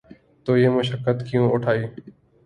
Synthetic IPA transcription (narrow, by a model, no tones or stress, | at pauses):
t̪oːjeːməʃəkːət̪kijũːʊʈʰaːiː